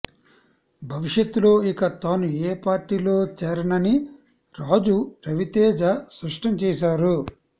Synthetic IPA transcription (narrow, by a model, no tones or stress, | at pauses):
bʱɐʋiʂjɐt̪ːulo̞ːikɐt̪aːnueːpaːɾʈːiːlo̞ːt͡ʃɛːɾɐnɐni | ɾaːd͡ʒupɾɐʋit̪ɛːd͡ʒɐsɾɐʂʈɐmt͡ʃɛːʃaːɾu